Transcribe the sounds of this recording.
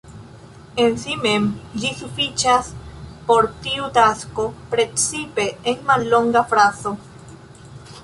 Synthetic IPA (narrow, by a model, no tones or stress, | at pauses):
ensimemʎisufit͡ʃaspoɾt̪iut̪askopɾet͡sipeːnmalːo̞ŋɡafɾaso